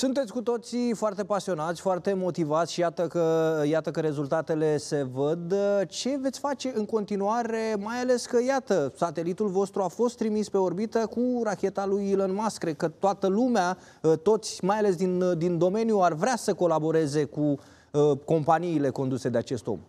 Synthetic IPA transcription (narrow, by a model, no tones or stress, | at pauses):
sunt̪esʲkut̪o̞t̪sifoart̪e̞pasio̞nat̪sʲfoart̪e̞mo̞t̪ivat̪sʲʃijat̪əkəjat̪əkəɾe̞zult̪at̪e̞le̞se̞vəd̪t͡ʃe̞vet̪sʲfat͡ʃe̞ɨŋko̞nt̪inuaɾe̞majale̞skəjat̪əsat̪e̞lit̪ulvo̞st̪ɾuafo̞st̪ːɾimispe̞o̞rbit̪əkuɾakʲe̞t̪alujilənmaskɾe̞d̪̚kət̪oat̪əlumea | ət̪o̞t̪sʲmajale̞s̬d̪ind̪ind̪o̞me̞njuarvɾasəko̞labo̞ɾe̞ze̞ku | ko̞mpaniːle̞ko̞nd̪use̞d̪eat͡ʃe̞st̪o̰m